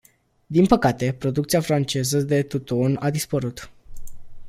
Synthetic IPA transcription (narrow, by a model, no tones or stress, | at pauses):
d̪inpəkat̪e̞pɾo̞d̪ukt̪siafɾant͡ʃe̞zəd̪e̞t̪ut̪o̞nad̪ispəɾut̪